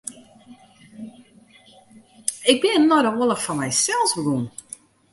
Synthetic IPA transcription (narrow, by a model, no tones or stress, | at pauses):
ɪɡ̚bɪnənɔdəolˠəxfɔnmɛjsɛlˠsbəɡun